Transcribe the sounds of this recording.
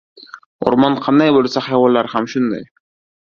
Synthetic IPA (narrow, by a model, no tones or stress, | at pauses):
o̰ɾmɒnqʰɑnd̪ajbolˠsahajvɒlːaɾhamʃʊnd̪a̰j